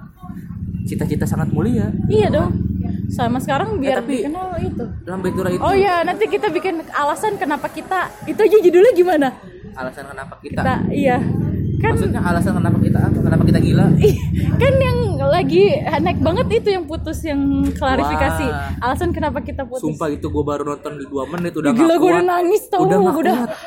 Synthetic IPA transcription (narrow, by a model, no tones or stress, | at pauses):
t͡ʃit̪at͡ʃit̪asaŋat̪̚muliaijadɔŋsamasə̥kaɾaŋbiarkənalit̪ulambat̪uɾaitojanant̪ikit̪abikɪnalasankənapakit̪ait̪uad͡ʒad͡ʒidulahɡimana | alasankənapakikiat̪a̰ijakanaalasankənapakit̪akənapakit̪aɡilakanjaŋlaɡianaɪk̚baŋət̪it̪ujaŋput̪ʊsjaŋkəlaɾifikasialasankənapakit̪apusumpait̪uɡuabaɾunɔnt̪ɔndiduamənɪt̪udaɡilaɡuadanaŋɪst̪awdaudat̪